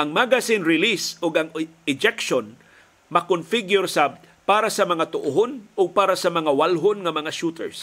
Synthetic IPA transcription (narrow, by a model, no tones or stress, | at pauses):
ʔɐŋmaɡasinɾɪlisʊɡɐŋɪd͡ʒɛkʃon | mɐkonfɪɡjʊɾsab̚ | paːɾasɐmɐŋat̪ʊʔʊɦonʊɡ̚paːɾasɐmɐŋawalɦonŋɐmɐŋaʃut̪ɛ̰ɹs